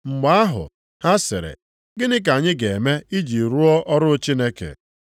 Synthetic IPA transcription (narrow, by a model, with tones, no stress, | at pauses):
ŋ͡m̩˨ɡ͡ba˦a˦ɦʊ̰˨ | ha˦sɪ˨ɾḛ˨ | ɡɪ˦nɪ˦k̬a˨ɲɪ˦ɡe˨me˦i˦d͡ʒi˨ɾu˦ɔ˦ʔɔ˦ɾʊ˦t͡ʃi˦ne˦kḛ˨